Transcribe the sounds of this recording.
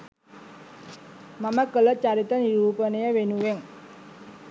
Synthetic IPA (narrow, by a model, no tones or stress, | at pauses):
maməkələt͡ʃaɾit̪əniɾuːpənəjəʋenuʋeŋ